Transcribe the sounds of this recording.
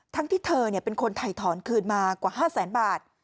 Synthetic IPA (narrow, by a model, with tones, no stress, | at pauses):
t̪ʰa˦˥ŋt̪ʰiː˥˩t̪ʰɤː˧ni˥˩ɐpe˧nkʰo˧nt̪ʰa˧˩jt̪ʰɔː˩˦nkʰɯː˧˩nmaː˧kwaː˨˩haː˥˩sɛː˩˦nbaː˨˩t̪̚